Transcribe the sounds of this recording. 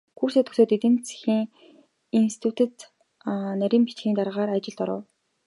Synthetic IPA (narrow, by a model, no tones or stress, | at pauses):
xurseːt̪ʰɵ̥̆soːt̪et̪ɘ̆nt͡sʰi̥xiːŋ | insi̥t̪ʰut̪ʰɘ̆t̪ | næɾʲiːmpit͡ɕxʲiːnt̪aɾʁaːɾat͡ɕɪ̆ɮt̪ɔɾə̰̆w